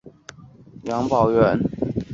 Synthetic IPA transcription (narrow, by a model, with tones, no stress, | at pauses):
jɑ˧˥ŋpɑ˨˩ʊɥɛ˧˦n